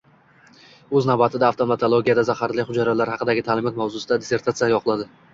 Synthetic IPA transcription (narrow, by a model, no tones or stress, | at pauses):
ɵznavbat̪ʰɪd̪aːft̪omat̪ʰolˠoɡʲijad̪azahaɾlɪχʊd͡ʒaɾalaɾhɑqɨd̪aɡʲɪt̪ʰaːlɪmɒt̪mawzʊsɪd̪ad̪ese̞ɾt̪ʰat̪sijajɒqʰɨlˠad̪ɪ